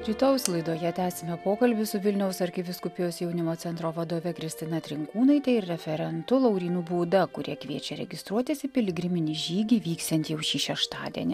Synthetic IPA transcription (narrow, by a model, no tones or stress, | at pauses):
ɾʲɪt̪oʊslˠɐɪd̪oːjɛt̪ʲæːsʲɪmʲɛpoːkɐlʲbʲɪsʊʋʲɪlʲnʲɛʊsɐɾʲxʲɪbʲɪskʊpʲɪjoːsjɛʊnʲɪmoːɛnt̪ɾoːʋɐd̪oːʋʲɛkɾʲɪsʲt̪ʲɪnɐt̪ʲɾʲɪŋkuːnɐɪt̪ʲɛɪɪɾɾʲɛfʲɛɾʲɛnt̪ʊlˠɒʊɾʲiːnubuːd̪ɐkʊɾʲiɛkʋʲiɛt͡ʃʲɛɾʲɛ̰ɡʲɪst̪ɾuɔt̪ʲɪsʲɪpʲɪlʲɡɾʲɪmʲɪnʲiːʒʲiːɡʲiːʋʲiːkst̪ɛnʲt̪ʲjɛʊʃʲiːʃʲɛʃt̪ɑ̰ːd̪ʲiɛnʲɪ